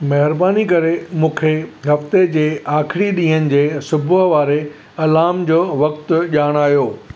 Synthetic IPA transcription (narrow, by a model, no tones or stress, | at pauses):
mɐɦɪɾbaːnikɐɾemũːkʰeɦɐft̪ed͡ʑeːʔaːkʰɪɽiɗĩːɦənɪ̆d͡ʑeːsʊbʊɦʋaːɾe | ɐlaːmd͡ʑoːʋɐkt̪ʊʄaːɽ̃aːɦjoː